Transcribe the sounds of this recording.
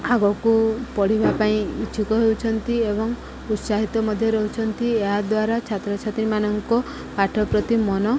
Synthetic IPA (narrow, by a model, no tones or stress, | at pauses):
aɡɔkupɔɽ̤ibʱapaĩit͡ʃʰikɔɦeut͡ʃʰɔnt̪iebɔŋ | ut̪saɦit̪ɔmɔd̪ʱjɔɾɔɦut͡ʃʰɔnt̪ieɦad̪waɾat͡ʃʰat̪ɾɔt͡ʃʰat̪ɾimanɔŋkɔ | paʈʰɔpɾɔt̪imɔnɔ